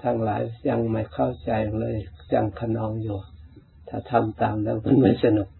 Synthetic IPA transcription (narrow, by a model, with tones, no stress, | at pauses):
t̪ʰaː˧˩ŋlaː˨˦jja˧ŋma˧˩kʰa˥˩wt͡ɕa˧jlɤː˧˨jt͡ɕa˧˩ŋkʰa˧nɔː˧˩ŋjuː˨˧˩ | t̪ʰaː˧˩t̪ʰa˧˩mt̪aː˨mlɛː˧˩wma˧˨nma˧˩sa˧nu˨˩k̚